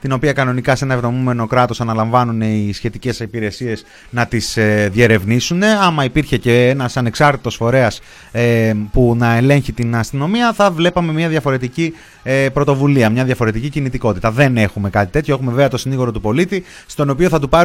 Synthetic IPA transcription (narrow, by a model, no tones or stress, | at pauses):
t̪ino̞piɐkɐno̞nikɐse̞nɐe̞vðo̞mume̞no̞kɾɐt̪o̞sɐnɐlɐɱvɐnune̞isçe̞t̪ice̞sipiɾe̞sie̞s | nɐt̪isðje̞ɾe̞vnisune̞ɐmɐipiɾçe̞ce̞enɐsɐne̞ksɐɾt̪i̥t̪o̞sfo̞ɾe̞ɐs | punɐe̞le̞ɲçit̪inɐst̪ino̞miɐθɐvle̞pɐme̞mɲɐðjʝɐfo̞ɾe̞t̪ici | epɾo̞t̪o̞vuliɐmɲɐðjɐfo̞ɾe̞t̪icicinit̪iko̞t̪i̥t̪ɐðe̞ne̞xume̞kɐt̪it̪e̞t̪çoe̞xumeveveɐt̪o̞siniɣoɾo̞t̪upo̞lit̪i | st̪o̞no̞pio̞θɐt̪upɐ